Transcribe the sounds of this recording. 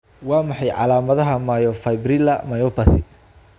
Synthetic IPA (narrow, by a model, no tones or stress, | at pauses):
wɑːmɑħɑjʕɑ̰laːmɐðɐɦɐmajɔfɐjbrɪlɐmɐjɔpɐθɪ